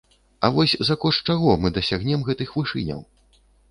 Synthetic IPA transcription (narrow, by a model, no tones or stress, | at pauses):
ɐvɔsʲzakɔʂt͡ʂaɣɔmɨd̪ɐsʲaɣnʲɛmɣɛt̪ɨxvɨʂɨnʲɐ̰w